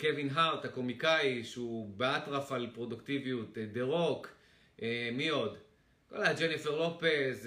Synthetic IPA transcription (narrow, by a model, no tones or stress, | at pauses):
kevinɦaʁt̪hako̞mikajiʃeubeatʁafalpʁo̞duktiviut̪deʁok | emio̞d | ko̰lad͡ʒenifeʁlopez